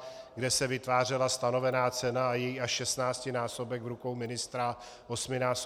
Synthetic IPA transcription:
ɡdɛsɛvɪt̪vaːr̝ɛlast̪ano̞vɛnaːt͡sɛnaːjɛjiaʃʃɛst̪naːt͡scɪnaːso̞bɛɡvɾuko̞wmɪnɪst̪ɾa | ʔo̞smɪnaːs

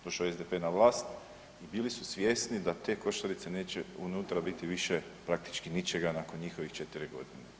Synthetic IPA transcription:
d̪̥o̞ʃaoezd̪epe̞naʋlˠaːst̪ | ibiːlisusʋjesnid̪at̪e̞ːko̞ʃt̪aɾit̪se̞ne̞ːt͡ɕeunut̪ɾabit̪iʋiʃepɾak̚t̪i̥t͡ʃkinit͡ʃeɡanako̞nɲixo̞ʋixt͡ʃet̪iɾiɡo̞̰d̪ine

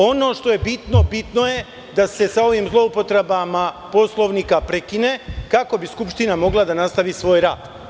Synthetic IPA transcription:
o̞no̞ːʃt̪oje̞bit̪no̞bit̪no̞je̞ | d̪ase̞sao̞ʋimzlˠo̞upo̞t̪ɾebama | po̞slˠo̞ʋnikapɾekinekako̞biskupʃt̪inamo̞ɡlˠad̪anast̪aʋisʋo̞ːjɾa̰ːd̪

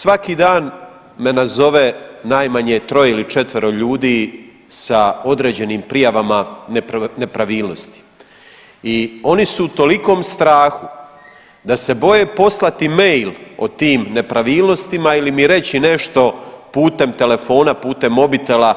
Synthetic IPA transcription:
sʋakiːd̪aːn | me̞nazo̞ʋenaːjmaɲet̪ɾo̞jeilit͡ʃe̞t̪ʋeɾo̞ʎuːd̪iː | sao̞d̪ɾe̞ːd͡ʑe̞niːmpɾijaʋamanpne̞pɾaʋiːlˠno̞st̪i̥ | io̞nisuut̪o̞liko̞ːmst̪ɾaːxu | d̪ase̞bo̞je̞po̞slˠat̪imejlot̪iːmne̞pɾaʋiːlˠno̞st̪imailimiɾe̞t͡ɕine̞ʃt̪o̞puːt̪e̞mt̪e̞le̞fo̞ːnapuːt̪e̞mːo̞bit̪ela

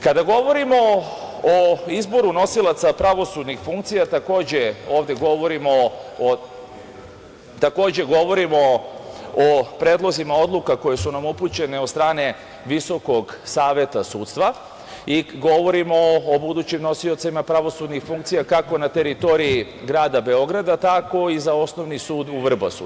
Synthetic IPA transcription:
kad̪aɡo̞ʋo̞ɾimo̞oizbo̞ɾuno̞silˠat̪sapɾaʋo̞sud̪nixfuŋk̚t̪sijat̪ako̞ːd͡ʑe̞o̞ːʋd̪e̞ɡo̞ʋo̞ɾimo̞ | t̪ako̞ːd͡ʑe̞ɡo̞ʋo̞ɾimo | opɾe̞ːd̪lˠo̞zimao̞d̪lˠukako̞je̞sunamuput͡ɕe̞ne̞od̪st̪ɾaːne̞ | ʋiso̞ko̞ɡsaːʋje̞t̪asuːt̪st̪ʋa | iɡo̞ʋo̞ɾimo̞ːbud̪uːt͡ɕimno̞sio̞t̪samapɾaʋo̞sud̪nixfuŋkt̪sijakako̞nat̪e̞ɾit̪o̞ɾii | ɡɾaːd̪abe̞o̞ɡɾad̪at̪ako̞izao̞sno̞ʋnisuːd̪uʋr̩basṵ

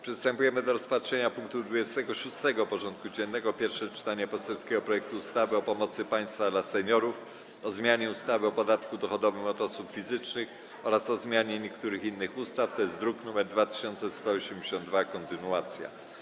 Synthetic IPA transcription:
pʂɛst̪ɛmpujɛmɘd̪ɔɾɔspatʂɛɲapuŋk̚t̪ud̪vud͡ʑɛst̪ɛɡɔʂust̪ɛɡɔpɔʐɔnt̪̚kud͡ʑɛnːɛɡɔpʲjɛɾfʂɛt͡ʂɘ̥t̪aɲɛpɔsɛlskʲɛɡɔpɾɔjɛk̚t̪uːst̪avɘɔpɔmɔt̪sɘpaj̃st̪fad̪lasɛɲɔɾuf | ɔzmʲjaɲɛust̪avɘɔpɔd̪at̪kud̪ɔxɔd̪ɔvɘmɔd̪ɔsupfʲizɘt͡ʂnɘx | ɔɾasɔzmʲjaɲɛɲɛkt̪uɾɘxinːɘxust̪aft̪ɔjɛst̪d̪ɾuknumɛɾd̪vat̪ɘ̥ɕɔnt̪sɛst̪ɔːɔɕɛmd͡ʑeɕɔnd̪vakɔnt̪ɘnuat̪sʲja̰

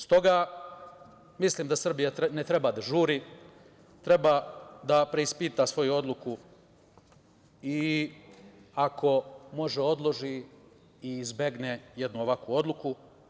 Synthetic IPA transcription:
st̪o̞ɡa | misliːmd̪asr̩bijat̪net̪ɾe̞baːd̪aʒuːɾi | t̪ɾe̞baːd̪apɾe̞ispiːt̪asʋo̞juo̞d̪lˠuku | i | akʰo̞mo̞ʒeo̞d̪lˠo̞ʒi | izbe̞ɡneje̞d̪nuo̞ʋakuo̞d̪lˠuku

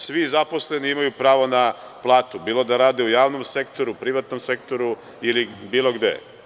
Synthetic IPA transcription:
sʋizapo̞sle̞niimajupɾaːʋona | plˠaːt̪ubiːlˠo̞d̪aɾaːd̪eujaːʋnomse̞kt̪o̞ɾupɾiʋat̪no̞mse̞k̚t̪oɾu | ilibiːlˠo̞ɡd̪ḛ

